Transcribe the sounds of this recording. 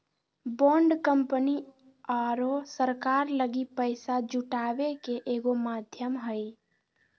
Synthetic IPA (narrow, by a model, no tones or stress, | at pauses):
bɔ̃ɳɖkəmpəni | aɾosəɾkaɾləɡipəɪsad͡ʒuʈabekeʔeɡomad̪ʱjəmɦəj